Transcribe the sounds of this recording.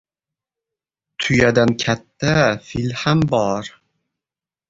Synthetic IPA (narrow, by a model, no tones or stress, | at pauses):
t̪ʰʊjad̪ankʲʰat̪ːafilhambɒɾ